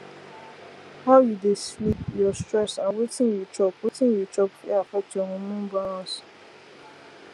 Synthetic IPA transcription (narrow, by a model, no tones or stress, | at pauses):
hajudeslipjɔstɹɛsãnwetĩnjut͡ʃɔpwetĩnjɔt͡ʃɔpeafɛk̚toŋũmũm̩baɾɔ̃s